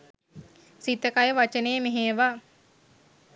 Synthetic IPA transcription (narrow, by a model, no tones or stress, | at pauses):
sit̪əkajəʋat͡ʃəneːmeɦeːʋa